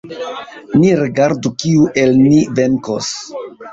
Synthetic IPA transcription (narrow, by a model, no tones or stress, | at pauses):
niɾiɡaɾdukiuʔelnive̞ŋkos